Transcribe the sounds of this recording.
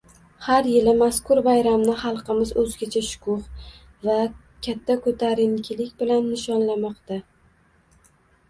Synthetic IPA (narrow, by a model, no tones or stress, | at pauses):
haɾjɪlɪmaskʊɾbajɾamnɪχɑlˠqʰɨmɪzɵzɡʲat͡ʃʰaʃʊ̥kʰʊχ | va | kʲʰat̪ʰːakʰɵt̪ʰaɾɪnkʲʰɪlɪkʲbɪlanːɪʃɒnlamɒqt̪a